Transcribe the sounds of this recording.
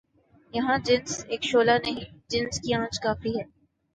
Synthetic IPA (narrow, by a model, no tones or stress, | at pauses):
jɐɦãd͡ʒɪnzeːkʃoːlanɐɦĩd͡ʒɪnskiãːt͡ʃkaːfiɦɛː